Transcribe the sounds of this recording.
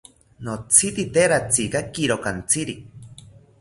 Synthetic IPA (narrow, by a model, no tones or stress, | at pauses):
not͡sʰit̪it̪eɾat͡sikakiɾokant͡sʰiɾi